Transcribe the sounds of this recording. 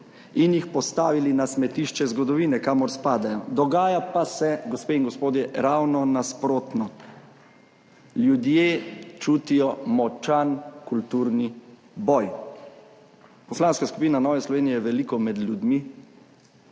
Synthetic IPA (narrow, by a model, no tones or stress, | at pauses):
injixpɔst̪aːʋilinasmɛt̪iʃt͡ʃɛzɡɔd̪ɔʋiːnɛkaːmɔɾspaːd̪ajɔd̪ɔɡaːjapasɛɡɔspeinɡɔspoːd̪jɛɾawnɔnaspɾoːt̪nɔ | ljud̪jeːt͡ʃuːt̪ijɔmɔt͡ʃankult̪uɾni | bɔj | pɔslaːnskaskupiːnanɔːʋɛslɔʋeːnijɛjɛʋɛlikɔmɛd̪lʲjud̪mi